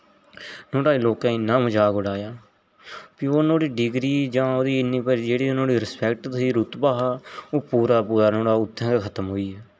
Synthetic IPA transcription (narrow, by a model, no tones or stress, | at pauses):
noːɽaːiloːkãːɪnːãːməd͡ʒaːɡʊɽaːjaː | piːoːnõːɽiːɖɪɡɾiːd͡ʒãːoːd̪iːɪnĩːpəɾd͡ʒeːɽiːnõːɽiːɾɪspɛːk̚ʈd̪iːɾʊt̪baːɦaːoːpuːɾaːpuːdaːnõːɽaːʊt̪ʰːɛ̃ːkakʰət̪əmɦoːiːɛː